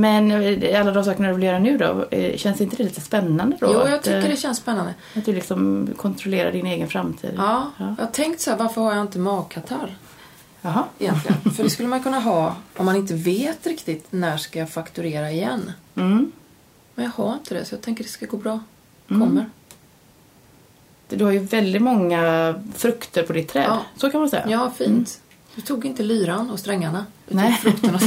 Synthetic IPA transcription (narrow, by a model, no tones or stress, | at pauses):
mɛnalːad̪ɔmsɑːkəɳad̪ɵvɪljœːɾanʉ̟ːd̪ɔ̰ɕɛnsɪnt̪əd̪ɛliːt̪əspɛnːand̪əd̪ɔ̰juːjɑːɡt̪ʏkːəɖɛɕɛnspɛnːand̪ə | at̪̚d̪ɵlɪksɔmkʰɔnt̪ʰɾɔleːɾa̰ɖɪneːɡənfɾamt̪ʰḭːd̪ɑːɑːjɑ̰ːt̪ʰɛŋkt̪sæːɾvaɾfœɾhaɾjaɪnt̪əmɑːɡ̚kʰat̪ʰaɾ | aɦɑɪjɛ̰nt̪lɪɡə̰fœdɖɛskɵlːəmanjkʰɵnːaɦɑːɔmːanɪnt̪əveːt̪ɾɪkt̪ɪt̪næːʂkajafakt̪ɵɾeːɾaɪjɛnː | mɛnjɑɡhaɾɪnt̪ʰəd̪ɛ̰sɔjɑːt̪ʰɛŋk̬ːəɾd̪ɛ̥skaɡoːbɾɑː | kʰɔmːəɾ | d̪ɵhaɾjɵvɛld̪ɪt̪mɔŋːafɾɵkt̪ʰəɾpʰɔd̪ɪt̪ʰːɾɛ̰ːɑːsɔkʰanmasɛjːa̰jɑːfiːnt̪ | d̪̥ɵt̪ʰuːɡɪnt̪əlyːɾanɔst̪ɾɛŋːaɳaʉːfɾɵkt̪əɳa